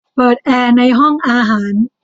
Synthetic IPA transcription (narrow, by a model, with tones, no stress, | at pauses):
pɤː˨˩t̪̚ʔɛː˧na˧jɦɔ˥˩ŋʔaː˧ɦaː˩˦n